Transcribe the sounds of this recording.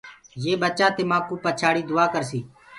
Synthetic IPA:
jeːbət͡ʃaːt̪eːmãːkuːpət͡ʃʰaːɽiːd̪ʊaːkəɾsiː

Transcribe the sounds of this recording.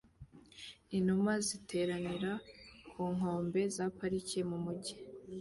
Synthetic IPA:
in̥umazitʰe̞ːɾaniɾakʰuːŋ̥o̞ːmbe̞zapaɾicemumuɟi

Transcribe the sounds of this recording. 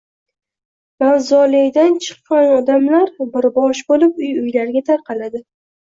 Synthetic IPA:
manzɒlejd̪ant͡ʃʰɨ̥qːɑnɒd̪amlaɾbɪɾbɒʃbolɪp̚ʊjʊjlaɾɡʲat̪ʰaɾqʰɑlad̪ɪ

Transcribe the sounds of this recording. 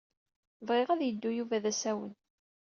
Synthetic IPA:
vʁɪʁæðjəd̪ːujuvæðæsæwə̰n

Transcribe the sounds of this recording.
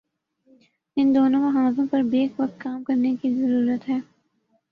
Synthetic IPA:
ɪ̃nd̪oːnõʋɐɦãːzõpɐɾbeːkʋɐkt̪̚kaːmkɐɾnekizɐɾuːɾət̪ɦɛː

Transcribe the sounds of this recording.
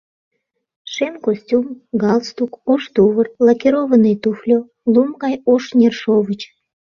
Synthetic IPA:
ʃemkosʲtʲumɡɑlst̪ukoʃt̪uβərlɑkeɾoβənəjt̪uflʲo | lumkɑjoʃnʲerʃovət͡ɕ

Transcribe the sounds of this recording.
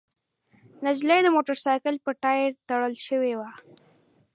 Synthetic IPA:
nad͡ʒlajd̪əmoʈəɾsɑjkəlpəʈɑjɪɾt̪aɽəlʃəwewa

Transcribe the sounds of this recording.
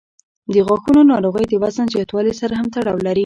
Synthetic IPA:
d̪əɣɑxunonɑɾoɣəjd̪əwazanzjɑt̪wɑlisaɾaɦamt̪aɽɑwlaɾi

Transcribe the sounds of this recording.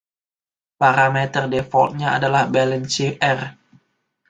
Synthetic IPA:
paɾamɛt̪ərdefɔlt̪̚ɲaa̰dalahbɛlɛnt͡ʃiʔɛr

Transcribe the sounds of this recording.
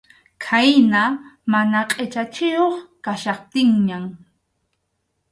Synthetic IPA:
kʰajnamanaqʼet͡ʃat͡ʃɪjoχkaʃɑχt̪ɪŋɲaŋ

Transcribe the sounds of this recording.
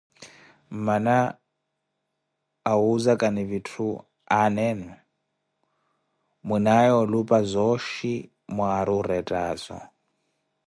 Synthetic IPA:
mana | ɦuzakʼaniβitʰu | anɛnu | munajɔlupʼazʷɔʃi | mɔaɾuɾɛtʼaːzɔ̰

